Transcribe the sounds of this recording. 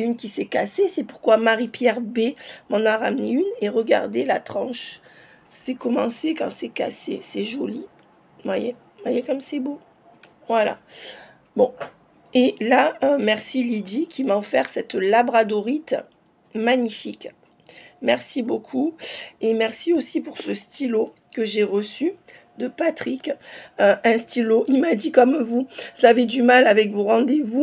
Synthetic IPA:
synkʲisɛkasesɛpuʁkwamaʁipjɛʁbemɑ̃naʁamneyneʁəɡa̰ʁd̪ela̰t̪χɑ̃ʃ | sɛkɔmɑ̃sekɑ̃sɛka̰sḛsɛʒɔli | vwaje | vwajɛkɔmsɛbo | vwala̰ | bɔ̃ | elaømɛʁsilid̪ikʲimaɔfɛʁsɛt̪labʁad̪oʁit̪ | maɲifik | mɛʁsibokʰuemɛʁsiosipuʁsəst̪ilo | kəʒeʁəsy | d̪əpat̪χikøɛ̃st̪iloʔilmad̪ikɔmvuzavɛd̪ymalavɛkvoʁɑ̃d̪evu

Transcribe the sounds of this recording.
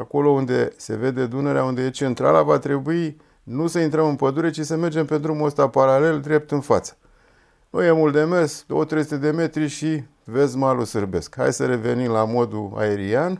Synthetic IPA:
ako̞lo̞und̪e̞se̞ve̞d̪e̞d̪une̞ɾeaund̪e̞je̞t͡ʃe̞nt̪ɾa̰lavat̪ɾe̞bui | nusəint̪ɾəmɨnpəd̪uɾe̞t͡ʃisəme̞rd͡ʒe̞mpe̞nt̪ɾumost̪apaɾale̞ld̪ɾe̞p̚t̪ɨnfat̪sə̥ | no̰jemuld̪e̞me̞skd̪o̞wət̪ɾe̞js̬ut̪ed̪e̞me̞t̪ɾiʃi | ve̞smalusɨrbe̞skha̰jʲsəɾe̞ve̞nimlamo̞d̪ua̰e̞ɾian

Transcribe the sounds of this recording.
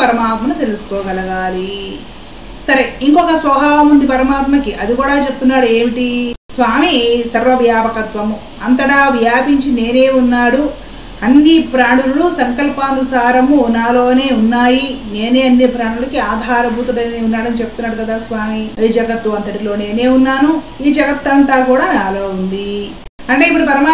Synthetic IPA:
pɐɾɐmaːt̪mɐnut̪e̞lusu̥kɔːɡɐlɐɡaːli | sɐɾe̞iŋkɔkɐsʋɐbʱaːʋɐmund̪ipɐɾɐmaːt̪mɐkiʔɐd̪ikuːɽaːt͡ʃepu̥t̪unːaːɽue̞ːmiʈisʋaːmisɐɾʋɐʋjaːpɐkɐt̪ʋɐmu | ɐnt̪ɐɽɐʋjaːpiɲt͡ʃine̞ːne̞ːunːaːɽu | ɐnːipɾaːɳululusɐŋkɐlpaːnd̪usaːɾɐmunaːlo̞ːne̞ːunːaːjine̞ːne̞ːɐnːipɾaːɳulɐkiaːd̪ʱaːɾɐbʱuːt̪ɐd̪ɐniunːaːɽɐnit͡ʃe̞put̪unːaːɽukɐd̪aːsʋaːmid͡ʒɐɡɐt̪ːuɐnt̪ɐʈilo̞ːne̞ːne̞ːunːaːnu | iːd͡ʒɐɡɐt̪ːɐnt̪aːkuːɽaːnaːlo̞ːund̪i | ɐɳʈe̞ːip̬ːuɽupɐɾɐmaː

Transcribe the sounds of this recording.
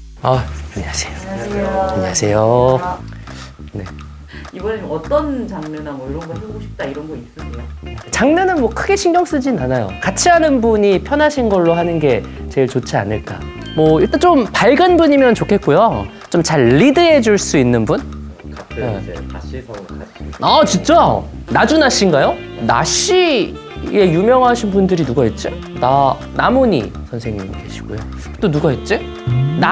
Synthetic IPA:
ʌaɲeasʰe̥jo | aɲeasʰe̞jo | ne̞̰ | iɡʌneomʌt͈ʌnt͡ɕaŋɲʌnamʌiɾʌnɡʌsʰɡoɕʰi̥p̚t͈aiɾʌnɡʌis͈ɯkoet͡ɕaŋɲʌnɯnmwʌkʰɯɡe̞ɕʰiŋɡʌŋs͈ɯd͡ʑinanajo̰kat͡ɕʰiɦanɯnbuɲipʰjʌnaɕʰinɡʌɭːoɦanɯnɡe̞t͡ɕe̞ɭt͡ɕot͡ɕʰia̰nɯɭk͈a̰ | mwʌiɭt͈ant͡ɕompaɭɡɯnbuɲimjʌnt͡ɕokʰe̞t̚k͈ojo | t͡ɕomt͡ɕaɭːidɯɦe̞d͡ʑuɭs͈uinːɯnbun | jḛ | at͡ɕit͡ɕ͈onad͡ʑunaɕ͈inɡajona̰ɕi | e̞jumjʌŋɦaɕʰinbundɯɾinuɡaɦet̚t͡ɕ͈i | na | namoɲḭsʰʌnsʰe̞ŋɲimidwe̞̰ɕʰi̥ɡ̥o̰jo̰ | t͈onuɡaɦet̚t͡ɕ͈i | na

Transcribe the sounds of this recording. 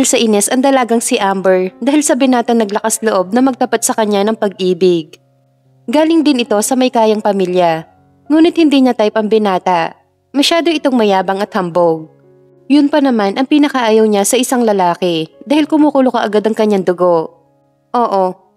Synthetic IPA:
aɪlsɐʔinɛsɐŋd̪ɐlaːɡɐŋsɪʔambɛɹd̪aːɦɪlsɐbɪnaːt̪ɐŋnɐɡlɐkasloʔo̞b̚nɐmɐɡ̚t̪ɐpat̪̚sɐkɐɲːanɐŋpɐɡ̚ʔiːbɪɡ̚ | ɡaːlɪŋd̪ɪnɪt̪o̞sɐmɐjkaːjɐŋpɐmiːljɐ | ŋuːnɪt̪̚hɪnd̪iːɲɐt̪ajpɐŋbɪnaːt̪ɐ | mɐʃaːd̪o̞ɪt̪oŋmɐjaːbɐŋɐt̪̚hɐmboɡ̚ | jʊnpɐnɐmanʔɐŋpinɐkɐʔaːjɐwɲasɐʔɪsaŋlɐlaːkɛd̪aːhɪlkʊmuːkʊlokɐʔɐɡad̪ɐŋkɐɲːaŋd̪ʊɡo̞ʔ | ʔoːʔo̞

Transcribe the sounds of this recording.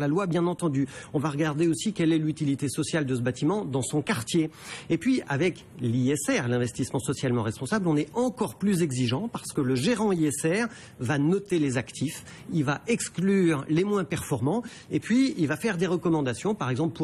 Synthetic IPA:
lalwabjɛ̃nɑ̃t̪ɑ̃d̪yɔ̃vaʁəɡaʁd̪eosikʲɛlɛlyt̪ilit̪esɔsjald̪əsəbat̪imɑ̃d̪ɑ̃sɔ̃kaʁt̪jeepɥia̰vɛk | liɛsɛʁlɛ̃vɛst̪ismɑ̃sɔsjalmɑ̃ʁɛspɔ̃sablɔ̃nɛɑ̃kɔʁplyzɛɡziʒɑ̃paʁsə̥kələʒeʁɑ̃iɛsɛʁ | vanɔt̪elezakt̪ʰif | ilvaɛksklyːʁlemwɛ̃pɛʁfɔʁmɑ̃ | epɥiilvafɛʁd̪eʁəkɔmɑ̃d̪asjɔ̃paʁɛɡzɑ̃plpu

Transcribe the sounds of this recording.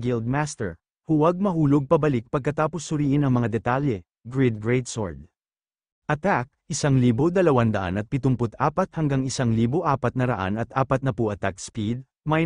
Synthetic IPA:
ɡɪld̪̚mast̪ɛ̰ɹ | hʊwɐɡ̚mɐɦuːloɡ̚pɐbɐlɪk̚pɐɡ̚kɐt̪aːposːʊɾiːʔɪnɐŋmɐŋad̪ɛt̪aljɛ | ɡɹid̪̚ɡɹɛjd̪so̰ɹd̪̚ | ʔɐt̪ak̚ʔɪsaŋliːbod̪ɐlɐwand̪ɐʔa̰nɐt̪̚pɪt̪ʊmpot̪aːpɐt̪̚hɐŋɡaŋɪsaŋliːboʔaːpɐt̪nɐɾɐ̰ʔa̰nɐt̪ʔaːpɐt̪̚nɐpʊʔɐt̪ak̚spid̪̚ | mɐj

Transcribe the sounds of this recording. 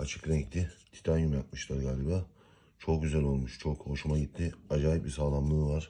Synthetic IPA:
at͡ʃʰɯ̥klaɟit̪ʰːɪt̪ʰi̥t̪ʰanjymʲat̪̚mɯʃlˠaɾɯɡaːlʲibaː | t͡ʃʰo̞k̚ɟyzælʲo̞lˠmuʃt͡ʃʰo̞kho̞ʃumaɟit̪ʰːiad͡ʒaːjip̚bisaːlˠamlˠɯːvaɾ̥

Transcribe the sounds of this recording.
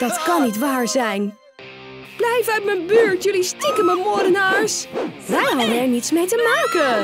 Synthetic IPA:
d̥ɑtkɑnːitʋaːɹzɛjn | b̥lɛjvəœɥtmɛjnbøːɹtjɵlistikəməmɔdənaːɹsʋɛjɦɑbənɛɹnitsmejtəmaːkə

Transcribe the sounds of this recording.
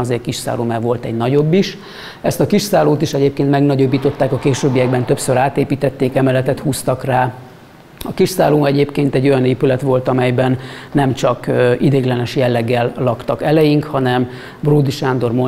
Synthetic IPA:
ɒzeːrkiʃsa̰ːloːmɛvo̞lt̪ɛɟnɒɟo̞bːiʃ | ɛst̪ɒkiʃsaːloːt̪iʃɛɟeːpkeːnt̪mɛɡnɒɟobːiːt̪o̞t̪ːaːkɒkeːʃøːbːijɛɡbɛnt̪ø̞psøɾaːt̪eːpiːt̪ɛt̪ːeːkɛmɛlɛt̪ɛt̪huːst̪ɒkraː | ɒkiʃsaːloːɛɟeːpkeːnt̪ɛɟːo̞jɒneːpylɛt̪ʋo̞lt̪ɒmɛjbɛnːɛmt͡ʃɒkid̪eːɡlɛnɛʃjɛlːɛɡːɛlːɒkt̪ɒkɛlɛjiŋkhɒnɛm | bruːd̪iʃaːnd̪o̞rmo

